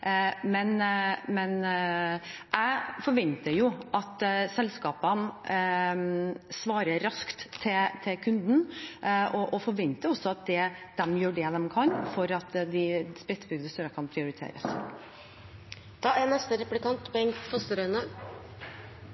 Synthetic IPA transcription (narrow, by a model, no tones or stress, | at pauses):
mɛnmɛn | ʔæɪfɔɾʋɛnt̪əjʊʔɑt̪sɛlskɑːpən | sʋɑːɾəɾɑskt̪ʰːɪt̪ʰɪlkʰʉnd̪n̩ʔɔʔɔfɔɾʋɛnt̪əɾɔsːɔɑt̪̚d̪ɛd̪̥ɛmjøːɖɛd̪ɛmkʰɑnfɔɾɑt̪d̪ɪspɾɪt̪sbʏɡd̪əst̪œɾəkʰɑnpʰɾɪʊɾɪt̪ʰḛːɾə̰s | d̪̥ɑːænɛst̪əɾɛplɪkɑnt̪pʰɔɛŋfɔst̪əɾœʏnə